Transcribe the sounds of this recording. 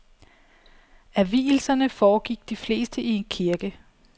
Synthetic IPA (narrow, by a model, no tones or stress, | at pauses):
æʋḭːl̩sɐnəfɒːɡ̥iɡ̥̚d̥ifle̝ːsd̥əʔie̝nkʰiɐɡ̥ə